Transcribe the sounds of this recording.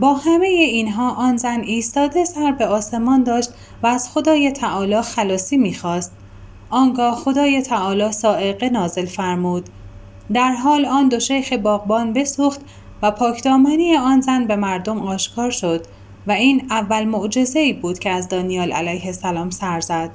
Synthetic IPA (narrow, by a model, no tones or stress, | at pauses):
bɒːhæme̞jeiːnɦɒːʔɒːnzæniːst̪ɒːd̪e̞sæɾbe̞ɒːse̞mɒːnd̪ɒːʃt̪ | væːz̥xo̞d̪ɒːjet̪ʰæʔɒːlɒːxælɒːsiːmiːxɒːst̪̚ | ʔɒːŋɡɒːhxo̞d̪ɒːjet̪ʰæʔɒːlɒːsɒːʔe̞ɣe̞nɒːze̞lfæɾmuːd̪̥ | d̪æɾɦɒːlɒːnd̪o̞ʃejxebɒːɣbɒːnbe̞suːxt̪ | væpʰɒːcʰd̪ɒːmænijeɒːnzænbe̞mæɾd̪o̞mɒːʃkʰɒːɾʃo̞d̪̥ | væiːnævːælmoʔd͡ʒe̞ze̞iːbuːd̪̥cʰeæzd̪ɒːnijɒːlʔæ̰læjhe̞sælɒːmsæɾzæd̪̥